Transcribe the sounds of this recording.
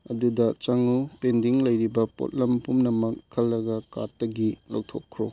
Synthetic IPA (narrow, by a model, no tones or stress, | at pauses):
ɐdudɐt͡ʃɐŋupendiŋlɐjɾibɐpo̰t̚lɐmpumnɐmɐkʰːɐlːɐɡɐkatːɐɡilowtʰokʰːɾo̰